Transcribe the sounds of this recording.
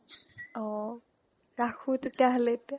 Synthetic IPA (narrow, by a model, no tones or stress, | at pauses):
ɔ | ɹakʰut̪et̪jaɦalet̪